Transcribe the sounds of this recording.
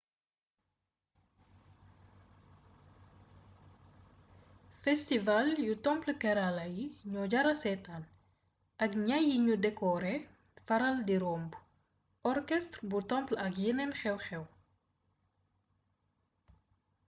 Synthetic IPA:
fɛstivaljutɔmpləkɛɾalɐjiɲɔɟɐɾɐsɛtaːn | ʔɐkɲajiɲudɛkɔɾɛ | fɐɾɐldiɾɔmb | ɔrkɛstrbutɔmplɐk̬jinɛnxɛwxɛw

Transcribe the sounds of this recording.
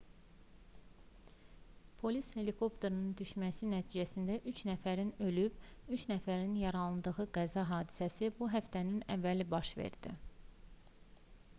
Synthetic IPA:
pʰo̞lishe̞likʰo̞pt̪ʰeɾɯnund̪yʃmæsinæt̪ʰiːd͡ʒæsind̪æʔyt͡ʃnæfæɾinø̞lybyt͡ʃnæfæɾinjɑɾɑlˠɯnd̪ɯɣɯɡæzɑɦɑːd̪i̥sæsibuɦæft̪ʰæninævːælibɑʃvḛɾd̪ḭ

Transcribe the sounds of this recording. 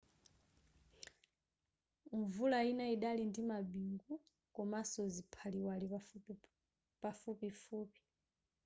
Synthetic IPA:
ɱvulainaiɗalindimabiŋɡu | kɔmasɔzipʰaliwali | pafupifuːpi̥

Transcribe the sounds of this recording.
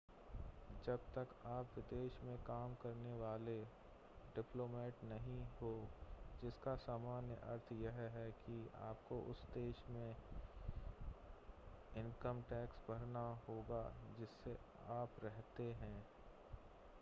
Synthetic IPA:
d͡ʒɐb̚t̪ɐkaːpʋɪd̪eːʃmẽkaːmkɐɾneʋaːle | ɖɪploːmɛːʈnɐɦĩɦoːd͡ʒɪskasaːmaːnjəʔɐ̰ɾt̪ʰjɐɦɦɛkia̰ːp̚koʔʊ̰sd̪eːʃmẽ | ɪnkəmʈɛːksbʱɐɾnaɦoːɡad͡ʒɪsːeaːpɾɛɦt̪eɦɛ̃ː

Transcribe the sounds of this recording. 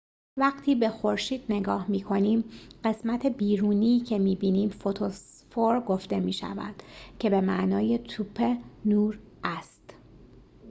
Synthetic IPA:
væɢt̪ʰiːbe̞xo̞ɾʃiːd̪̥̚ne̞ɡɒːhmiːkʰo̞niːmɢe̞smæt̪ʰe̞biːɾuːniːcʰe̞miːbiːniːmfot̪ʰos | foɾɡo̞ft̪e̞miːʃæ̰væ̰d̪̥cʰe̞be̞mæʔnɒːje̞t̪ʰupʰenuːɾ | æst̪

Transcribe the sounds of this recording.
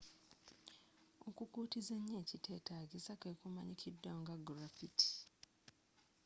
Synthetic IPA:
okukuːtizeɲːeːcitʰe̞ːtaɡisakekumaɲikʰidːaoŋɡaɡɾafitʰi̥

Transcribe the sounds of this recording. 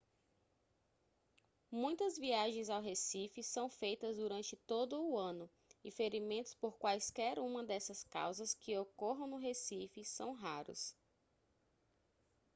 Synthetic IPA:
mũj̃t̪ɐzviaʒẽj̃zawɦesifɪsɐ̃w̃fejt̪ɐzd̪uɾɐ̃nt͡ʃɪt̪od̪ʊːɐ̃nʊ | ifeɾimẽnt̪ʊ̥spoɾkwajskɛɾũmɐd̪ɛsɐska̰wzɐskɪokɔɦɐ̃w̃nʊɦesifɪsɐ̃w̃ɦaɾʊ̰s

